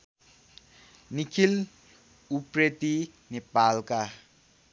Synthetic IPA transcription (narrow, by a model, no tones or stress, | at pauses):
nikʰil | upɾet̪i | nepalka